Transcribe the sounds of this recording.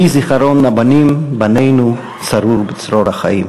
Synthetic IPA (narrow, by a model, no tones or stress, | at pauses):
iziχaɾonlabanimbanejnu | t͡saɾuɾbit͡sɾoɾhaχa̰im